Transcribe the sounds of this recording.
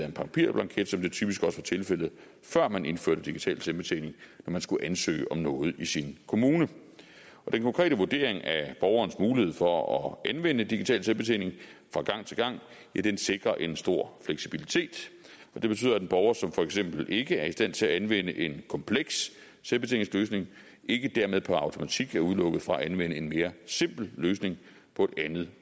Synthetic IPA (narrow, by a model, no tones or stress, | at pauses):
æɐenpʰɑ̈ŋpʰḭɐ̰b̥lɑ̈ŋkʰeɐd̥sɒ̽md̥et͡sʰyb̥isɡ̥ɒ̽sʋɑ̈t͡sʰe̝lfel̰ð̩ˠ | fɶɐ̰mænʔe̝nfø̰ɐ̰ɾ̥əd̥iɡ̥it͡sʰɛ̰ːlsemb̥e̝t͡sʰḛne̝ŋnɒmænsɡ̥uʔænsø̰ːɒ̽mnɔ̽ːð̞̩ˠisinkʰo̝muːnə | ɒ̽d̥enkʰɒ̽ŋkʰʁɛ̰ːdəʋuɐd̥e̝ɐ̰eŋæb̥ɒʊɐːnsmuːlihe̝ð̞̰ˠfɒ̽ɒʔænʋen̰əd̥iɡ̥it͡sʰɛ̰ːlselb̥e̝t͡sʰḛːle̝ŋfʁɑ̈ɡ̥ɑ̈ŋ̰t͡sʰe̝lɡ̥ɑ̈ŋ̰ | jæd̥ense̝ɡ̥ʁɐʔe̝nsd̥o̝ɐ̰fleɡ̥sib̥ilit͡sʰe̝̰ːd̥ | ɒ̽d̥e̝b̥ey̰ð̰ˠɐæd̥enb̥ɒʊɐsɒ̽mfɒ̽eɡ̥sem̰b̥l̩e̝ɡ̥əæɐisd̥æn̰t͡sʰe̝æænʋen̰əʔe̝nkʰɒ̽mpʰleɡ̥sː | elb̥e̝e̝̰eŋsløːsne̝ŋ | ʔe̝ɡ̥əd̥æɐmeðˠpʰɒɑ̈ʊt͡sʰo̝mæt͡sʰiɡ̥æɐuð̞ˠlɔ̽ɡ̥ð̩ˠfʁɑ̈æænʋen̰əe̝nme̝ːɐse̝m̰b̥l̩løːsne̝ŋ | pʰɒ̽e̝d̥ænð̞̩ˠ